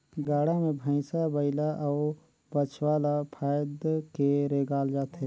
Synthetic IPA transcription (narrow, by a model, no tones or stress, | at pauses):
ɡaːɽamẽbʱə̃ɪsabəɪlaʔɔː | bət͡ʃʰwaːlapʰaːjd̪keɾeːɡaːld͡ʒaːt̪e